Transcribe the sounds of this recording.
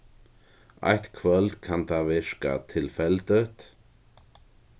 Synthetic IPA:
ʔa̰jt̪kʰvœlt̪kʰant̪ʰavɪʃka̰t̪ʰɪlfɛld̪ət̪

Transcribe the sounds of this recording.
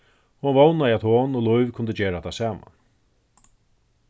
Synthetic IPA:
hʊnvownaɪat̪hoːnɔlʊjvkʰʊnd̪əd͡ʒɛːɾat̪ʰasaːma̰n

